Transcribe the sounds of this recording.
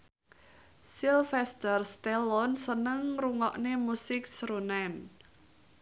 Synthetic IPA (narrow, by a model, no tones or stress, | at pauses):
silfɛst̪ərst̪elɔnsənəŋruŋɔʔnemusɪk̚sɾunɛn